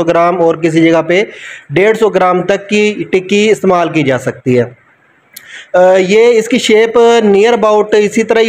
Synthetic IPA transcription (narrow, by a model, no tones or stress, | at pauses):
ɔːɡɪɾaːmɔːɾk̬ɪs̬id͡ʒɐɡapeɖeːɽsoːɡɾaːmt̪ɐkːiʈɪkːiɪst̪eːmaːlk̬id͡ʒaːsɐk̚t̪iɦɛː | jeːɪskiʃeːpnijəɾbaːʊʈɪsit̪əɾaɦi